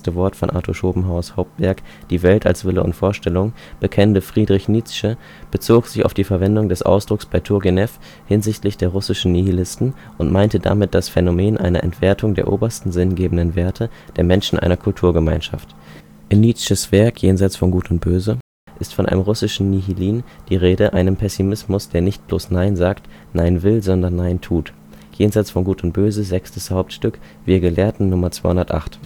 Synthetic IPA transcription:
təvɔɐtfɔnʔa̰ːtʰoʃoːbm̩ɦaʊɐshaʊp̚tv̥ɛɐkd̥iːvɛltʰa̰lsv̥ɪləʊ̰ntfoːɐʃtɛlʊŋ | b̥əkʰɛntəfʁ̥iːdʁɪçniːt͡sʃə | b̥ət͡soːkz̥ɪça̰ʊfd̥iːfɛɐvɛndʊŋdɛsʔa̰ʊsd̥ʁʊksb̥aɪtʰʊɐɡenɛf | hɪnzɪçtlɪçd̥eːɐʁʊsɪʃn̩nihilɪstn̩ | ʔʊntmaɪntəda̰mɪt̚d̥asfɛnomeːnʔa̰ɪnɐ̰ʔɛ̰ntv̥eɐtʰʊŋdeːɐʔoːbɐstn̩zɪnɡeːbn̩dənveːɐtʰəd̥eːɐmɛnʃn̩ʔa̰ɪnɐkʰʊltʰuːɐɡəmaɪnʃa̰ft | ʔɪnːiʃəsv̥ɛɐkʰjeːnzaɪt͡sfɔnɡuːtʊnt̚b̥øːzə | ʔɪstfɔnʔa̰ɪnəmʁʊsɪʃn̩nihiliːnd̥iːʁeːɾəʔaɪnəmpʰɛsimɪsmʊsd̥eːɐnɪçt̚b̥loːsnaɪnzaːkt | naɪnvɪlzɔndɐnːaɪntʰuːt | jeːnzaɪt͡sfɔnɡuːtʊnt̚b̥øːzəzɛkstəshaʊp̚tʃtʏk | v̥iːɐɡəleːɐtn̩nʊmɐt͡sv̥aɪʊndɐtʔa̰χt

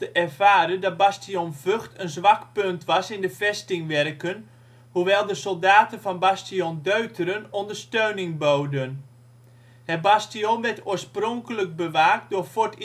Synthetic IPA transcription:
əʔɛrvaːɾəndɔt̚bastionvøxtʰənzʋakpøntʋɑsɪndəfɛstɪŋʋɛrkən | huʋɛlˠdəsolˠdaːtənfɑnbastijondøɥtʰərənɔndərstøɥnɪŋbowdən | hɛbastionʋɛtoːəsprɔŋkələk̚bəʋaːk̚dʊfot

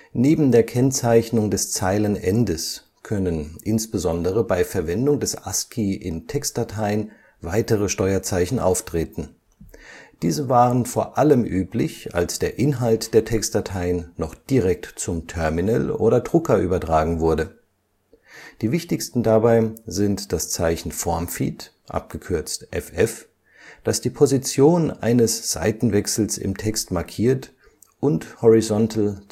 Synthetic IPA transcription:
neːbm̩deːɐkʰɛnt͡saɪçnʊŋdɛst͡saɪlənʔɛndəs | kʰœnənʔɪnsb̥əzɔndəʁ̞əbaɪfɛɐvɛndʊŋdɛsʔa̰skʰiʔɪntʰɛkst̚d̥atʰaɪən | vaɪtəʁəʃtɔʏɐt͡saɪçn̩ʔa̰ʊftʁ̥eːtn̩ | d̥iːzəvaːʁənfoːɐʔaləmʔyːplɪçʔa̰lsd̥eːɐʔɪnɦaltd̥eːɐtʰɛkst̚d̥atʰaɪənːɔχd̥iʁɛk̚tt͡sʊmtʰœɐminəlʔo̰ːɾɐdʁʊkɐʔyːbɐtʁ̥aːɡŋ̩vʊɐdə | d̥iːvɪçtɪçstn̩dabaɪzɪntd̥ast͡saɪçn̩fɔɐmfḭːt | ʔa̰p̚ɡ̥əkʰʏɐt͡stʔɛfʔɛf | d̥asd̥iːpʰozit͡sjoːnʔa̰ɪnəsz̥a̰ɪtn̩vɛksl̩sɪ̰mtʰɛkstmaɐkʰiːɐt | ʔʊnthɔʁizɔntʰl̩

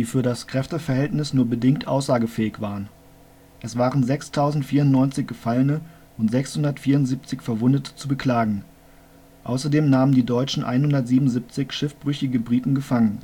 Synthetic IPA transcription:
d̥iːfyːɐɾaskʁ̥ɛftəfɛɐɦɛltnɪsnuːɐbədɪŋktʔaʊsz̥aːɡəfɛːɪçv̥aːʁən | ʔɛsv̥aːʁənzɛkstʰaʊzn̩tfiːɐʊntnɔʏnt͡sɪçɡ̥əfalənə | ʔʊntz̥ɛkshʊndɐtfiːɐʊntziːp̚t͡sɪçfɛɐvʊndətʰə̥t͡subəkl̥aːɡŋ̩ | ʔa̰ʊsɐdeːmnaːməndiːdɔʏt͡ʃn̩ʔa̰ɪnhʊndɐtz̥iːbmnʊnzip̚t͡sɪçʃɪfb̥ʁʏçɪɡəbʁiːtn̩ɡəfaŋən

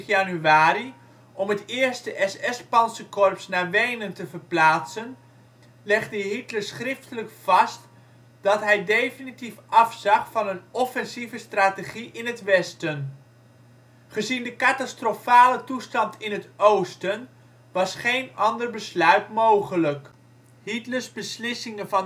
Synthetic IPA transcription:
janyaːɾi | ʔɔmətɪːɹstəʔɛsɛspɑnsəkɔrpsnaːɹʋejnəntəvərplaːtsən | lɛχdəɦitləsχrɪftələkfɑst | d̥ɑtɦɛjdejfinitifʔɑfsɑχfɑnənɔfɛnzivəstraːteχiʔɪnətʋɛstən | χəzindəkatastrofaːlətustɑntʰɪnətʔowstən | ʋɑsχejnɑndərbəslœɥtmowχələk | hitləɹzbəslɪsɪŋənvɑn

